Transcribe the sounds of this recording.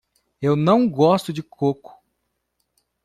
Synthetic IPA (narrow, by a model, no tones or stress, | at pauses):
ewnɐ̃w̃ɡɔst̪ʊd͡ʒɪkʰokʊ̥